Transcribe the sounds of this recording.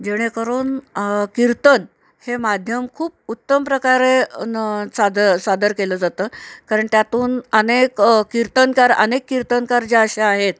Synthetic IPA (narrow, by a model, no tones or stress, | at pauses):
d͡ʑeɽ̃ekəɾuːnkiɾt̪ən | hemad̪ʱjəmkʰuːp̚ut̪ːəmpɾəkaɾe | sad̪əɾsad̪əɾkeləːd͡zat̪əːkaɾəɳt̪jat̪uːnənekkiɾt̪ənkaɾə̰nekːiɾt̪ənkaɾd͡ʑeəɕaaɦet̪̚